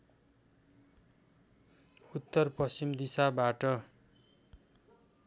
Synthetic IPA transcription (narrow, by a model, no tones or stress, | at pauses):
ut̪ːʌrpʌst͡ʃimd̪isabaʈʌ